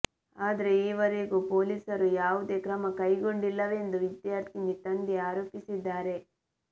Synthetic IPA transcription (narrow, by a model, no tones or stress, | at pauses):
aːd̪ɐɾe̞iːʋɐɾeɡuːpo̞ːliːsɐɾujaːʋud̪e̞ːkɾɐmɐkɐjɡo̞ɳɖilːɐʋeend̪uʋid̪jaːɾt̪ʰinit̪ɐnd̪eaːɾoːpisid̪ːaːɾe̞